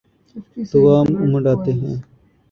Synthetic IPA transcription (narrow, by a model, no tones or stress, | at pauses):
t̪ɐwaːmumɐɖaːt̪eɦḛ̃ː